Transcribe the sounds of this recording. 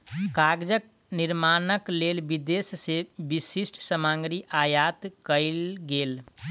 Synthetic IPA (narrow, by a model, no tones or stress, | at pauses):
kaːɡd͡ʒək | nɪɾmaːnəkleːlbid̪essebisisʈʰsəmãːŋɡɾiʔajaːt̪kəɪlɡeːl